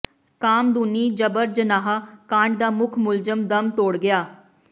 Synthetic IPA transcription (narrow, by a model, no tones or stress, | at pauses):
kaːmd̪uniːd͡ʒəbəɾd͡ʒənaːɦaːkãːɳɖd̪aːmʊkʰmʊlzəmd̪əmt̪oːɽɡɪjaː